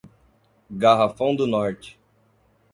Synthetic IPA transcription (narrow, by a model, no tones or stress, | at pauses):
ɡaɦafɐ̃w̃d̪ʊnɔɾt͡ʃɪ̥